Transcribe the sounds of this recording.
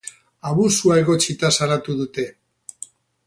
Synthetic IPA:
aβusuae̞ɣo̞t͡sit̪asaɾat̪uðut̪e̞

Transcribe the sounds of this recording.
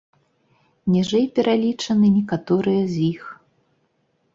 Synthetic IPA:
nʲɛʐɛjpʲɛɾʔalʲit͡ʂɐnɨnʲɛkat̪ɔɾɨjɐzʲix

